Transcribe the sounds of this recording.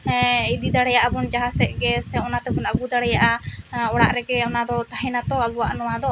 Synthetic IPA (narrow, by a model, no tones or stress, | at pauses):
id̪id̪aɽɛjaʔabund͡ʒaɦasɛʔ̚ɡɛsɛɔnat̪ɛbunaɡud̪aɽɛjaʔaɔɽaʔɾɛɡɛɔnad̪ɔt̪aɦɛ̃nat̪ɔabuwaʔnɔwad̪ɔ